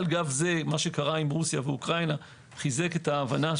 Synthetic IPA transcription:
lɡavze̞maʃe̞kaʁaimʁusjaveukʁajna | χize̞ke̞taːvana

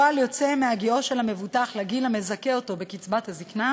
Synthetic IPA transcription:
aljot͡se̞meaɡio̞ʃelhame̞vutaχlaɡilame̞zake̞o̞to̞be̞kit͡sbathazikna

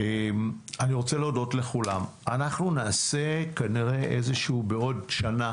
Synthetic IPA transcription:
emaniʁo̞t͡seleodo̞tle̞χulam | anaχnunaːse̞kaniʁe̞ʔezeʃːbeo̞dʃana

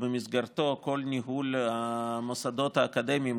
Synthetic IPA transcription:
bəmizɡaɾt̪o̞ko̞lniɦulamosad̪o̞t̪haːkad̪emʲjim

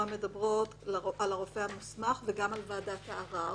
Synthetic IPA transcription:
ame̞dabʁo̞t | lalaʁo̞fehamusmaχveɡamalvaːdataːʁa

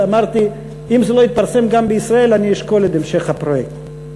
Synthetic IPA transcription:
amaʁt̪i | imzelo̞it̪̚paʁse̞mɡambeisʁae̞laniiʃko̞let̪emʃe̞χhapʁojekt̪

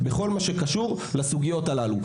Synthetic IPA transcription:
beχo̞lmaʃekaʃuʁ | lasuɡijo̞t̪alalu

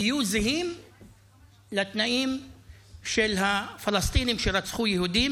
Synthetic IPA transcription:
ijuzeɦim | lat̪naʔim | ʃelɦafalast̪inimʃeɾat͡sχujeɦud̪im

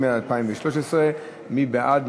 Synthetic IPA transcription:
meaalpaimveʃloʃesʁe | mibeʔad̪m

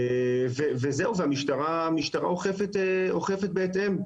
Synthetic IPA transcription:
vevezeuveamiʃt̪aʁamiʃt̪aʁa̰oχefet̪eo̞χe̞fet̪̚beːt̪ʔe̞m

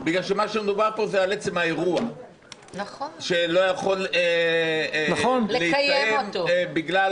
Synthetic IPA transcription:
biɡlalʃemaʃemed̪ubaʁpo̞zeale̞t͡se̞mae̞ʁua | naχoʃe̞lo̞jaχo̞le | naχonlleijeeomtbiɡla

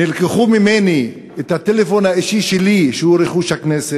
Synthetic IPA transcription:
nilkeχumimeni | et̪hat̪elefonhaiʃiʃeliʃehuɾeχuʃhaknese

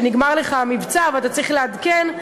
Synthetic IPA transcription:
niɡmaʁleχamivt͡saveat̪at͡sʁiχlead̪ken

